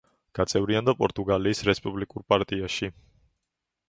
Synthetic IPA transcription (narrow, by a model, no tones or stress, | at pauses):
ɡ̥at̪sʼɛvɾiand̪apʼɔɾt̪ʼuɡaliːsɾɛspʼublikʼuɾpʼaɾt̪ʼiaʃi